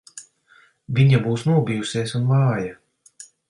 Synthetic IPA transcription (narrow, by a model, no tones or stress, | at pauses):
vʲiɲabuːsnuɔbʲijusiɛsunvɑːja